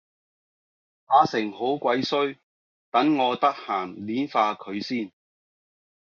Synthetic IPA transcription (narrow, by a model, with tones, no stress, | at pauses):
paː˨˧˥sɪ˨˩ŋho˨˥wkʷɐ˨˥jsɵ˥ɥ | t̪ɐ˨˥ŋŋɔː˨˧t̪ɐ˥k̚haː˨˩nliː˨˥nfaː˧kʰɵ˨˧ɥsiː˥˩n